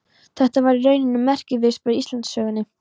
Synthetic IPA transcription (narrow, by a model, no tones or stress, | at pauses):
θɛht̪avaɾirœːɥnɪnʏmːɛr̥cɪvɪ̥spœðist̪ant̪sœːɣʏnːɪ